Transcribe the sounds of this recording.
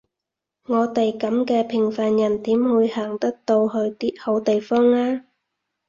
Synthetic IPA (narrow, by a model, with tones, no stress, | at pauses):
ŋɔː˨˧t̪e˨jkɐ˨˥mkɛː˧pʰɪ˨˩ŋfaː˨njɐ˨˩nt̪iː˨˥mhuː˨˧jhaː˨˩ŋt̪ɐ˥k̚t̪o˧whɵ˧ɥt̪iː˥t̚ho˨˥wt̪e˨jfɔː˥ŋaː˥